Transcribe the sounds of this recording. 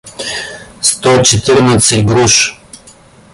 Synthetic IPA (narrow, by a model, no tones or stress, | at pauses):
st̪ɔt͡ʃɛt̪iɾnət̪səiɡɾuʃ